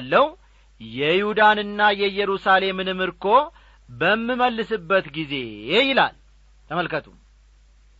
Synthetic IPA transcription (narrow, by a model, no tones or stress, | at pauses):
lːəw | jɛjɪhud̪anɨnːajɛjɛɾusale̞mɨnɨmɨɾkʰo̞ | bəmːiməlːɨsɨbːət̪ɡize̞jɪla̰l | t̪ʰəməlkət̪ʰum